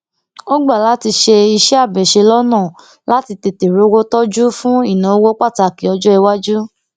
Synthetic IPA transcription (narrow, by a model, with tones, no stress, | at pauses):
o˦ɡ͡ba˦˨la˨˦ti˧ʃe˧i˧ʃɛ˦a˦˨bɛ˨ʃe˧lɔ˦nã˦˨ | la˦ti˧te˧te˨ɾo˨˦wo˦tɔ˦d͡ʒu˦fũ˦i˦˨nã˨o˦wo˦k͡pa˦˨ta˧˨ki˨ɔ˧d͡ʒɔ˦ɛ˧wa˦d͡ʒu˦